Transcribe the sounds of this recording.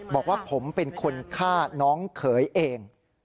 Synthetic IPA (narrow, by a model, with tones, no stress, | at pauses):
bɔː˨˩k̚waː˥˩pʰo˩˦mpe˧nkʰo˧nkʰaː˥˩nɔː˦˥ŋkʰɤː˩˦jʔeː˧ŋ